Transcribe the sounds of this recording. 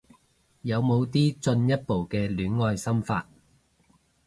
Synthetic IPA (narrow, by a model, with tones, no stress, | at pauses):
jɐ˨˧wmo˨˧wt̪iː˥t͡sɵ˧njɐ˥t̚po˨wkɛː˧lyː˨˥nŋɔː˧jsɐ˥mfa̰ː˧t̚